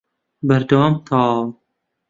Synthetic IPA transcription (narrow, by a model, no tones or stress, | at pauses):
bɐɾd̪ɐwɑːmt̪ʰɑː